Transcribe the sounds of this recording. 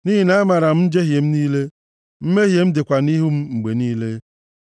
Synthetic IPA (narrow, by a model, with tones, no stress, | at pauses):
ni˦ɦi˨na˦ma˨ɾa˨m̩˦d͡ʒe˦ɦje˨m̩˦niː˦le˦ | m̩˦me˦ɦje˨m̩˦dɪ˨kʷa˨ni˦ɦu˦m̩˦ŋ͡m̩˨ɡ͡be˨niː˦le˦